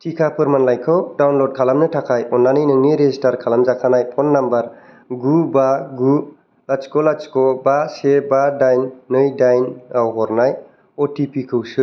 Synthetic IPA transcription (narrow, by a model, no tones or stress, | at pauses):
tikʰapʰɯɾmanlajkʰɯwdawnlɔd̚kʰalamnɯtʰakʰajɔnːanɯjnɯŋniɾezistaɾkʰalamzakʰanajpʰɔnːambaɾ | ɡubaɡu | lat͡ʃkɔlat͡ʃkɔbasebadajnːɯjdajnawɦɔɾnaj | ɔtipikʰɯwsɯ